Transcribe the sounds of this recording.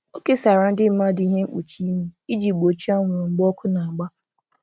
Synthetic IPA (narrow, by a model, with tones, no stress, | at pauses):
o˦ke˦sa˨ɾa˦n̩˦dɪ˦m̩˦ma˦di˦ɦe˦ŋ͡m̩˦k͡pṵ˨t͡ʃi˦me˦i˦d͡ʒi˨k͡po˨t͡ʃi˦a˦ŋʷʊ˨ɾʊ˨ŋ͡m̩˦ɡ͡bɔ˦kʊ˦na˨a˨ɡ͡ba˦